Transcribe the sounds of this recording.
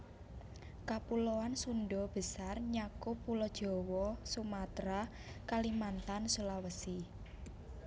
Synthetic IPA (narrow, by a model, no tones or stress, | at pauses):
kapulowansunɖɔb̥ə̤sarɲakopulɔd̥ʒ̥ɔ̤wɔsumat̪ɾa | kalimant̪ansulawəsi